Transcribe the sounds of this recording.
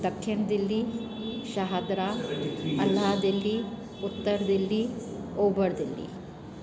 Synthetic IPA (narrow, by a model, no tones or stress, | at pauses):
d̪ɐkʰːinɐd̪ɐlːi | ʃɐɦad̪ɾaɐlːaːd̪ɐlːi | ut̪ːɐɾɐd̪ɐlːioːbɐɾd̪ɐlːḭ